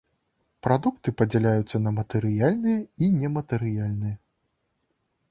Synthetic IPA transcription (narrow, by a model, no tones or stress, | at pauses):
pɾad̪ukt̪ɨpɐd͡zʲalʲajut̪sːɐnɐmɐt̪ɛɾɨjalʲnɨjɛinʲɛmɐt̪ɛɾɨjalʲnɨjɐ